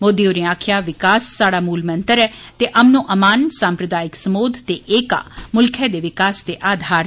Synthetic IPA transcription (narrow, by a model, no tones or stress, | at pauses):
moːd̪iːoːɾẽːaːkʰɪjaːʋɪkaːsːaːɽaːmuːlmənt̪əɾɛːt̪eːʔəmnõːʔəmaːnsãːmpɾəd̪aːɪksəmoːd̪t̪eːʔeːka̰ːmʊlkʰɛːd̪eːʋɪkaːsd̪eːʔaːd̪ʱaːɾ